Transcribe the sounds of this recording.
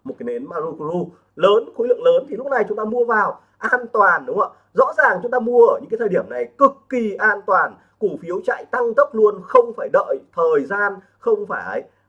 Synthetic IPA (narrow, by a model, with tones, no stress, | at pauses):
mo˨˩t̚aː˨˦jne˨˦nmaː˧zu˧ku˧zu˧ | ləː˨˦nxu˨˦lɨ̰˧˨ŋləː˨˦nt̪ʰi˨˩lʊ˦˥k͡p̚na˨˩jt͡ɕʊ˨˦ŋ͡mt̪aː˧mu˧əvaː˨˩w | ʔaː˧nt̪waː˨˩nɗʊ˨˦a̰ː˧˩ | zɔ̰˧˥zaː˨˩ŋt͡ɕʊ˨˦ŋ͡mt̪aː˧mu˧əʔəː˧˩ɲɨ̰˧˥ŋaː˨˦t̪ʰəː˨˩ɗi˧˩əmna˨˩jkɨ˨˩kːi˨˩ʔaː˧nt̪waː˨˩n | ku˧˩fi˨˦əwt͡ɕa̰ː˧˨jt̪a˧ŋt̪ə˦˥p̚lu˧ənxə˧wŋ͡mfaː˧˩jɗə̰ː˧˨jt̪ʰəː˨˩jzaː˧n | xə˧wŋ͡mfaː˧˩jə˨˦j